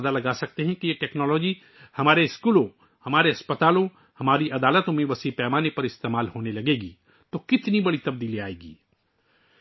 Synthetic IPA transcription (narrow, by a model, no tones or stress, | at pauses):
d̪alɐɡaːsɐk̚t̪eɦɛ̃kijeʈɛːknɔːlɔːd͡ʒi | hɐmaːɾeɪskuːlõ | hɐmaːɾeɐspət̪aːlõ | hɐmaːɾiʔɐd̪aːlət̪õmẽʋɐsipɛːmaːnepɐɾɪst̪eːmaːlɦoːnelɐɡeːɡḭː | t̪okɪt̪nibɐɽit̪ɐb̚d̪iːliaːeːɡḭː